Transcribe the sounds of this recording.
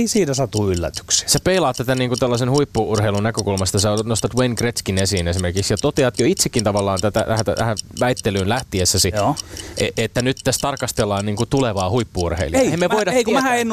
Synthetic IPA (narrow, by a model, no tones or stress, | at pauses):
eisiːnæsɑt̪uylːæ̰t̪y̥kse̥sepeilɑːt̪ːæt̪æniːŋkut̪ælːɑsenhuipːuurheilunækøkulmɑst̪ɑsɑnost̪ɑt̪wenkret̪skinesiːnesimerkiksjɑt̪ot̪eɑt̪joit̪sekːint̪ɑʋɑlːɑːnt̪æt̪æ̰æhæt̪æ̰t̪æhæʋæit̪ːelyːnlæht̪iesːæsioʔeʔet̪ːænyt̪t̪æst̪ɑrkɑst̪elːɑːnniːŋkut̪uleʋɑːhuipːuurhḛiliɑeemːeʋoidɑeikmæhæenː